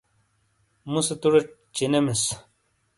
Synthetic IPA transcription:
muset̪uɾeʈt͡ɕinemes

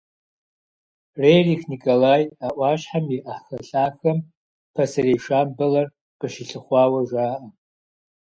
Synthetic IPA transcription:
rejrixnikʼolajaʔʷaʃħamiʔaħxɐɬʼaxɐm | pʰasaɾejʂambɨlar | qʼɨʃɪɬɨχʷawaʒʷaːʔa

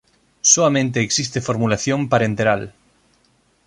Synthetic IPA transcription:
soamẽnt̪eːksist̪efoɾmulaθjõmpaɾent̪eɾal

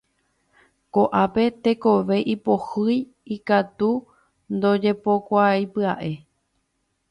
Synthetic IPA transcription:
koʔape̞t̪e̞ko̞ʋe̞ʔipohɨj | ikat̪u | nd̪o̞d͡ʒe̞po̞kʷajpɨaʔe̞

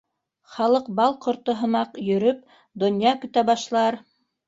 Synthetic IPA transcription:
χɑlˠɤq̚bɑlˠqŏɾt̪ɤɦɤ̆mɑqjɵ̆ɾɵp̚ | d̪ŏnjɑkɵ̆t̪æbɑʃlˠɑɾ

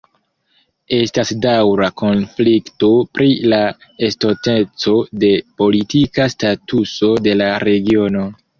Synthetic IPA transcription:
e̞stasdawɾako̞nflikto̞pɾilaesto̞tet͡so̞de̞po̞litikastatuso̞de̞laɾe̞ɡio̞no̞

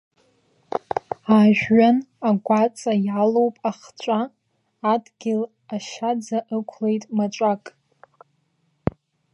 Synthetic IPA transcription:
aːʒᶣɥanaɡʷat͡sʼajalowpʼaχt͡ʃʷʼaː | dɡʲɪl | aʃad͡zaʔɨkʷʰle̞jtʼmat͡ʃʷʼakʼ

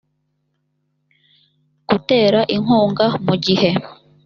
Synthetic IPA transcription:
ɡ̥ute̞ːɾaʔiŋoːŋɡamuɟihe̞

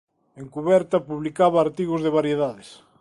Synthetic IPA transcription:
eŋkuβɛɾt̪ɐpuβlikaβɐːɾt̪iɣʊzðeβaɾjeðaðɪs

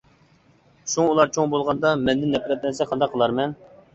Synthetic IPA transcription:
ʃuŋulˠɑɾt͡ʃʰoŋbolˠʁɑnd̪ɑmɛnd̪ɪnːɛpʰɾɛt̪̚nɛsɛqʰːɑnd̪ɑqʰːəlˠɑɾmɛn

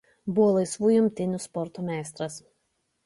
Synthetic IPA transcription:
bʊʋoːlˠɐɪsʋuːjʊmʲt̪ʲɪnʲʊspɔɾt̪oːmʲæˑɪst̪ɾɐs

